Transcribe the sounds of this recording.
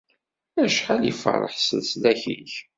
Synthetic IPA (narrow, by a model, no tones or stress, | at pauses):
æʃħaljə̰fə̰ɾˤə̰ħsə̰ðslæçḭç